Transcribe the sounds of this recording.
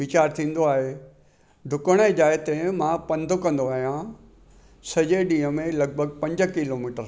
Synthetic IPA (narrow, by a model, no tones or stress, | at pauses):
ʋɪt͡ɕaːɾt̪ʰĩːn̆d̪oaːɦe | ɖʱʊkəɽ̃əd͡ʑaːjt̪emãːpɐ̃nd̪ʱʊkɐ̃nd̪oaːɦijã | sɐd͡ʑeɗĩːɦəmẽlɐɡ̚bʱəɡ̚pɐ̃ɲd͡ʑkɪloːmiːʈəɾ